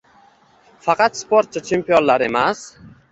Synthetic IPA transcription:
fɑqʰɑt̪spʰoɾt̪̚t͡ʃʰat͡ʃʰempionlaɾe̞mas

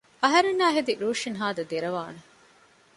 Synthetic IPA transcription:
ɐɦɐɾenːaːɦed̪iɾuːʂinɦaːd̪ɐd̪eɾɐʋaːnɐ

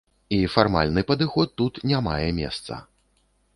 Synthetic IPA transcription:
ifarma̰lʲnɨpɐd̪ɨxɔt̪ːut̪nʲama̰jɛmʲɛ̰st̪sɐ̰

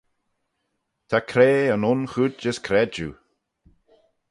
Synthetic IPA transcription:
t̪ʰakʰɾeːənʊnxud̚d͡ʒəskʰɾɛd͡ʒṵ

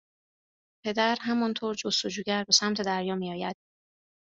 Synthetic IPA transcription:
pʰe̞d̪æɾɦæmɒnt̪ʰoːɾd͡ʒost̪od͡ʒuːɟæɾbe̞sæmt̪ʰe̞d̪æɾjɒːmiːɒːjæd̪̥

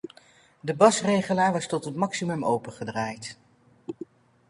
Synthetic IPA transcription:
dəbɑsrejχəlaːɹʋɑstɔtɦətmɑksimɵmo̰wpəχədraːjt

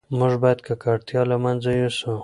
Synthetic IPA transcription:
mʊʒbɑjad̪̚kakaɽt̪jɑlamanzajusu

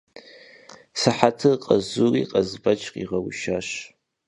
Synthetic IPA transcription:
saħatʰɨqʼazuriqʼazbat͡ʃʰʼqʲʼiʁawʃaʃ

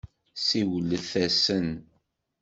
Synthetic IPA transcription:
siwəlːəθæsən

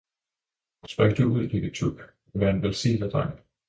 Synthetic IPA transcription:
sb̥ʁœɡ̥̚d̥euð̞̰ˠl̥eɡ̥ət͡sʰuɡ̥ | ʋæɐenʋelsḭːd̥æd̥ʁɑ̈ŋ̰

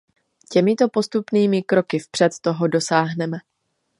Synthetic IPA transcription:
cɛmɪt̪o̞po̞st̪upniːmɪkɾo̞kɪfpr̝̥ɛt̪ːo̞ɦo̞do̞saːɦnɛmɛ

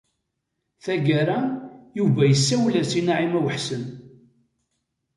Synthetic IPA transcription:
θæɡæɾajuvæjəsːæwlæsinaʕimæwəħsən

